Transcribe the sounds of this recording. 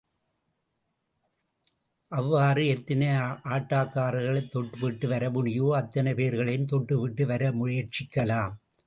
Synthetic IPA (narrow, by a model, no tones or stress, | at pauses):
ʔɐʋːaːrɯɛt̪ːɐnɐʔaːʈːaːkːaːɾɐɣɐɭɐɪt̪ːɔʈːɯʋɪʈːɯʋɐɾɐmʊɳɪjoːɐt̪ːɐnɐɪpeːɾɣɐɭɐjmt̪ɔʈːɯʋɪʈːɯʋɐɾɐmʊɻɪjɐɾt͡ʃɪkːɐlaːm